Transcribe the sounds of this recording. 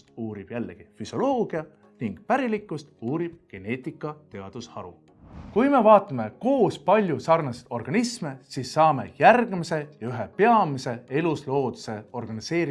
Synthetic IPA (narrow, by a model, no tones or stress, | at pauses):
t̪uːɾib̥jælːeɡ̥ifyso̞lo̞ːɡ̥iɑ | niŋɡ̥pæɾilikːˑust̪uːɾib̥̚ɡ̥e̞ne̞ːt̪ˑikːˑɑt̪e̞ɑd̪̥ushɑ̰ɾṵ | kujme̞vɑːt̪ːˑɑme̞ko̞ːspɑlʲjusɑrnɑst̪o̞rɡ̥ɑnisme̞siːsːɑːme̞̰jærɡ̥mise̞jɑyɦepe̞ɑmise̞e̞luslo̞ːd̪̥use̞o̞rɡ̥ɑnise̞ːɾi